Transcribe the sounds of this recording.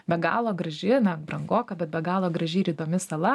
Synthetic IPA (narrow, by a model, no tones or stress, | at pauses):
bʲɛɡɑ̰ːlˠoːɡɾɐʒʲɪnɐbɾɐŋɡoːkɐbʲɛt̪bʲɛɡɑːlˠoːɡɾɐʒʲiɪɾʲiːd̪oːmʲɪsɐlˠɐ